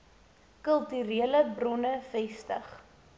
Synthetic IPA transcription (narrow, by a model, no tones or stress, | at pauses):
kəlˠtyɾiələbrɔnəfɛstə̰χ